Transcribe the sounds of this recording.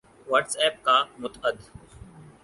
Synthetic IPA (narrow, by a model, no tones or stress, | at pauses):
ʋəʈsɛːp̚kaːmʊt̪əd̪